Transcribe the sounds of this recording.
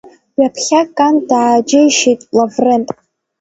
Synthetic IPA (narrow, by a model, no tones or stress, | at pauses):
ɥapʰχʲakʼandaːd͡ʒejʃijtʼlavrentʼ